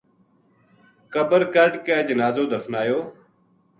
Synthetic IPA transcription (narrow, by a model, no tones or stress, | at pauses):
kəbəɾkəɾɖkeːd͡ʒənaːzoːd̪əfnaːjoː